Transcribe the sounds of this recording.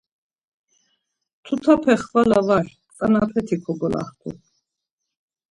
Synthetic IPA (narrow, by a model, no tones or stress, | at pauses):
t̪ʰut̪ʰapʰɛχvalavaɾ | kʼanapʰɛt̪ʰikʰɔɡɔla̰hkʰʼṵ